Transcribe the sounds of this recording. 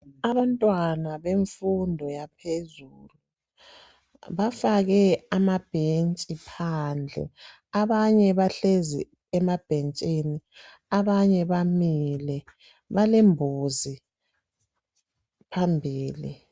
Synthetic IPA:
aβantʼwanaβeɱfundʱɔjapʰezuluu | βafaɣɛamab̥ʱent͡ʃʼipʰand͡ɮʱɛ̰ | aβaɲɛβaɬezḭ | ɛmab̥ʱent͡ʃʼini | aβaɲɛβamilɛ | βalembʱuzi | pʰambʱiːlḭ

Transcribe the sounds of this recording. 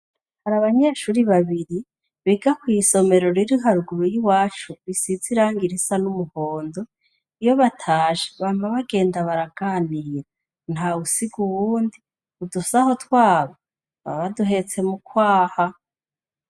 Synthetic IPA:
haɾaβaɲe̞ʃuːɾiβaβiɾi | βiːɡakwiːso̞me̞ɾo̞ɾiɾiɦaɾuɡuɾujiwaːt͡ʃuβisiziɾaːŋɡiɾisanumuho̞ːndo̞ | ijo̞βatʰaːʃe̥βaːmaβaɡe̞ːndaβaɾaɡ̥aːndiːɾɾa | n̥hausiɡuwuːndi | udusaho̞twaːβa | βa̰βaduɦe̞t͡se̞mukwaːha

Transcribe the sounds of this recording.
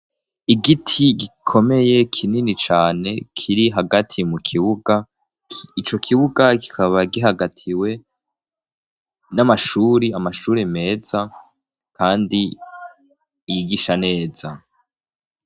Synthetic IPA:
iɡitʰiɡikʰo̞me̞je̞kʰininit͡ʃaːne̞kʰiɾiɦaɡatʰimukʰiβuɡa | it͡ʃo̞kʰiβuɡaki̥kʰaβaɡiɦaɡatʰiwe̞ | namaʃuːɾiamaʃuːɾeme̞ːz̥a | kʰaːndi | jiɡiʃane̞ːz̥a

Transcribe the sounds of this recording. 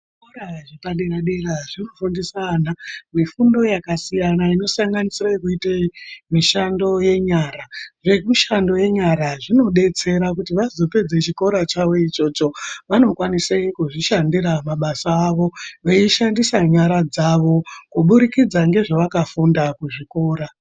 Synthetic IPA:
ʐikoɾaʐepaɗeɾaɗeraʐinofundisanamifundo̞jakasijanaino̞saŋɡanisiraikuiteimiʃando̞je̞ɲaːɾaʐe̞kuʃando̞je̞ɲaɾaʐino̞ɗe̞t͡se̞ɾak̬utiʋazo̞pe̞d͡zet͡ʃiko̞ɾat͡ʃaʋo̞it͡ʃo̞t͡ʃo̞ʋano̞kwaniseikuʐiʃandiɾamaɓasaːʋo̞ʋeiʃandisaɲaɾad͡zaʋo̞kuɓuɾikid͡zaŋɡe̞ʐoʋakafundakuʐiko̞ːɾa

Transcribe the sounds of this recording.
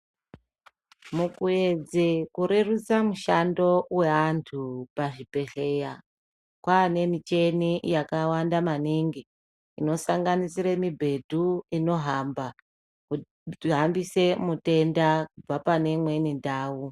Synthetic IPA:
mukued͡zekuɾerut͡samuʃando̞we̞antʰupaʐipe̞ɬe̞ja | kwaːne̞mit͡ʃe̞nijakawandamaniŋɡi | ino̞saŋɡanisiɾemibʱe̞dʱuino̞ɦamba | ku | ɦambise̞mute̞ndakub͡vapane̞mwe̞nindaːwu

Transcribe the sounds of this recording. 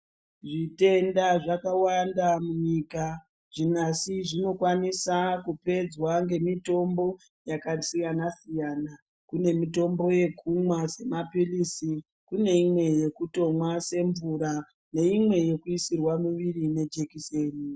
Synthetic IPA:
ʐite̞ndaʐakawandamuɲika | ʐ̥inasiʐino̞kwanisakupe̞d͡zwaŋɡe̞mito̞mbo̞ | jakasijanasijana | kune̞mito̞mbo̞je̞kʰumwase̞mapilisi | kune̞imwe̞je̞kuto̞mwase̞ɱvuɾa | ne̞imwe̞je̞kuisirwamiʋirine̞d͡ʒekiseːni

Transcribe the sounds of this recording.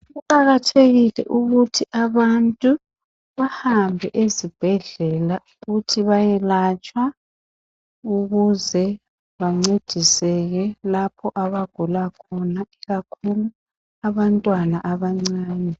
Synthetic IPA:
ɣuǃaɣatʰeɣilɛ̰ʔuɣutʰiʔaβantʼu | βahambʱɛʔezib̥ʱɛɮɛlauɣutʰiβajɛlat͡ʃʼwa | uɣuzɛ | βaŋ͡ǀed̥ʱisɛɣɛlapʰɔʔaβaɡ̥ʱulakʰɔnaiɣakʰulu | aβantʼwanaʔaβaŋ͡ǀaːnɛ

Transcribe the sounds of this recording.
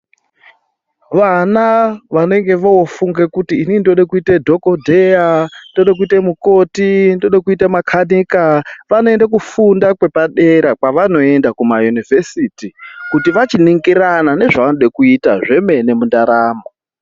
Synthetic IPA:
ʋanaʋane̞ŋɡe̞ʋoofuŋɡekutiːnindoɗakuitedʱo̞ko̞dʱejando̞ɗak̬uitemuko̞tindoɗakuitamakʰaniːkaʋano̞e̞ndak̬ufundakwe̞paɗe̞ɾak̚waʋano̞e̞ndakumajunivʱesitikutiʋat͡ʃiniŋɡiɾanane̞ʐaʋanoɗakuitaʐe̞me̞ne̞mundaɾaːmo

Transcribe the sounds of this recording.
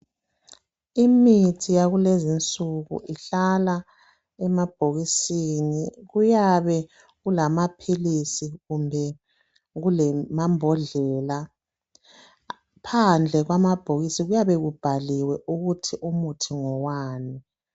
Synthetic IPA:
imitʰijaɣulezint͡sʼuɣṵʔiɬala | ɛmab̥ʱoɣisiniɣujaβɛ | ɣulamapʰilisiɣumbʱɛ | ɣulɛmambʱɔɮɛːla | pʰand͡ɮʱɛɣwamab̥ʱoɣisiɣujaβɛɣub̥ʱaliwɛʔuɣutʰiʔumutʰiŋɔwaːni

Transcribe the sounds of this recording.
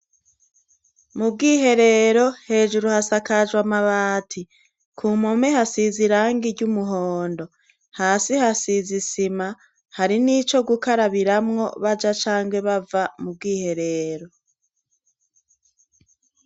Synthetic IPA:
mub̚ɡiːɦe̞ɾe̞ɾo̞he̞ːʒuɾuhasakaʒwamaβaːtʰi | kʰuːmome̞hasiziɾaːŋɡiɾɟumuɦoːndo̞ | haːsihasizisima | haɾiniːt͡ʃo̞ɡukaɾaβiɾamŋo̞βad͡ʒat͡ʃaːŋɡwe̞βavamub̚ɡiːhe̞ɾe̞ːɾo̞

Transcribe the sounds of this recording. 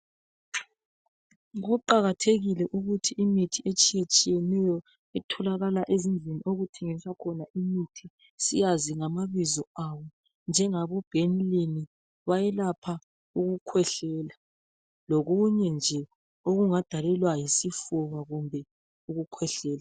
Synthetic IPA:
ɣuǃaɣatʰeɣilɛʔuɣutʰiimitʰiet͡ʃʼijet͡ʃʼijɛnɛjɔ | ɛtʰɔlaɣalaʔezind͡ɮʱeniʔoɣutʰeŋisakʰɔnaʔimitʰi | sijaziŋamaβizɔawɔ | nd͡ʒʱɛŋaβɔb̥ʱenileni | βajɛlapʰa | uɣukʰwɛɬɛːla | lɔɣuɲɛnd͡ʒʱɛ | oɣuŋad̥ʱalɛlwajisifuβaɣumbʱɛ | uɣukʰwɛɬɛːla

